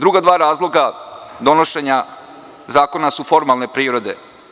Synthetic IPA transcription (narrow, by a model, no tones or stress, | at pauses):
d̪ɾuɡad̪ʋaːɾaːzlˠo̞ɡad̪o̞noʃeɲa | zaːko̞nasufo̞ɾmalˠne̞pɾiːvɾo̞d̪ḛ